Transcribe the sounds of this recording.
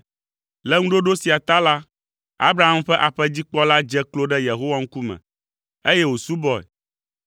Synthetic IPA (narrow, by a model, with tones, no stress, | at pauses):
lɛ˦ŋũ˦ɖo˦ɖo˦si˨a˨t̪a˦la˦ | a̰˦bɾa˦˨ɦa˦mɸɛ˦ʔa˨ɸɛ˦d͡ʑi˦k͡pɔ˦la˦d͡ʒɛ˦klo˦ɖɛ˦je˨ɦo˦wa˦ŋ̩˦ku˦mɛ̰̃˨ | e˦jɛ˦wo˨su˦bɔ˦ɛ̰˨